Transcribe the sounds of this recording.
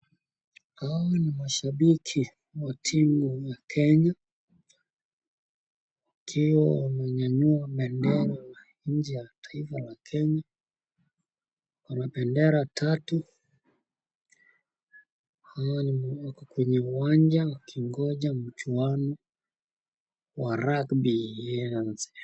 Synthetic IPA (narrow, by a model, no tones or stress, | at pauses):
hawanimaʃaɓikʰi | watʰimujakʰɛɲa | wakʰiwawnaɲaɲuaɓɛndɛɾa | ɲ̩d͡ʒɛjatʰḁifalakʰɛɲa | wanaɓɛndɛɾatʰatu | hawaniwakɔkwɛɲɛuwaɲd͡ʒawakʰiŋɡɔʄam̩t͡ʃuanɔ | waɾakbiɛanzɛ